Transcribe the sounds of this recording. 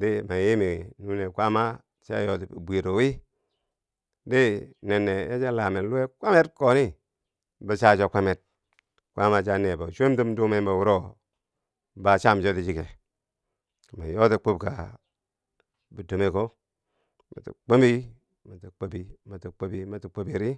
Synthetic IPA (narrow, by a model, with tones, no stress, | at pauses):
di˦ma˨ji˦mi˨nu˦ne˨kʷa˦ma˦ | t͡ʃa̰˦jo˦ti˨bʷi˨ɾo˨wi˦ | di˦ne˨nːe˨je˦t͡ʃa˦la˨me˨nlu˦e˦kʷa˦me˦t̚ko˨ni˦ | bə˨t͡ʃa˦t͡ʃo˦kʷa˦me˨t̚ | kʷʔa˦ma˦t͡ʃa˦ne˨ba˨t͡ʃo˦m˦tu˦mdu˦me˦ba˨wu˦ɾo˦ | ba˨t͡ʃa˦˨m˨t͡ʃo˦ti˨d͡ʒi˦ke˨ | ma˨jo˦ti˦k͡pu˦b̚ka˨ | bu˨do˨me˨ko˦ | ma̰˨tḭ˨k͡po˦mbi˦ | ma˨ti˨k͡po˦bi˨ma˨ti˨k͡po˦bi˦ma˨ti˨k͡po˦bi˨ɾi˦